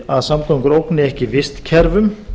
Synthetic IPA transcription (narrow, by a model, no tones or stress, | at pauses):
aðsamt̪ʰowŋkʏɾowknɪɛhcɪvɪst̪cʰɛɾvʏm